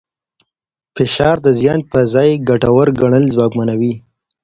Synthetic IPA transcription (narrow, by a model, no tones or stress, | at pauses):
fɪʃɑɾd̪əzjɑn̚pəzɑjɡaʈawəɾɡaɳ̃əlzwɑkmanawi